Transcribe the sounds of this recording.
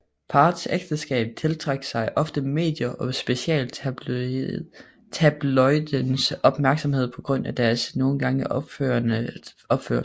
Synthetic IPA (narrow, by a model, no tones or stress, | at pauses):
pʰɑ̈ːdseɡ̥d̥əsɡ̥ɛ̰ːb̥t͡sʰe̝lt͡sʰʁeɡ̥sɑ̈ɪʔɒ̽fd̥əme̝̰ːd̥jɐʔɒ̽sb̥e̝ɕiɛ̰ːl | t͡sʰæb̥lɒɪd̥ənsɒ̽b̥mæɐɡ̥sɒ̽mhe̝ð̰ˠpʰɒ̽ɡ̥ʁɔ̽n̰æd̥æɐsno̝ːn̩ɡ̥ɑ̈ŋəʔø | ɒ̽b̥fø̰ɐ